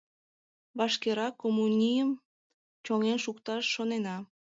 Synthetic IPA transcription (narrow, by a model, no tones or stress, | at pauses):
βɑʃkeɾɑkomunʲijəm | t͡ɕoŋenʃukt̪ɑʃːonenɑ